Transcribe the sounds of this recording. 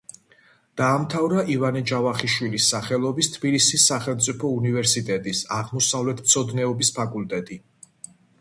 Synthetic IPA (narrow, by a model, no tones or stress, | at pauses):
d̪̥aːmt̪ʰavɾaʔivanid͡ʒavaχiʃwilisːaχɛlˠɔbist̪ʰbilisisːaχɛlˠmt̪sʼipʰɔunivɛɾsit̪ʼɛt̪ʼisaʁmɔsavlɛt̪ʰmt̪sʰɔd̪nɛɔbispʰakʼult̪ʼɛt̪ʼi